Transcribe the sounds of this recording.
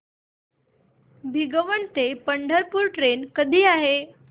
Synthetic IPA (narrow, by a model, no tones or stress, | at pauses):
bʱiɡəʋəɳt̪epəɳɖʱəɾpuːɾʈɾenkəd̪ʱiːaɦe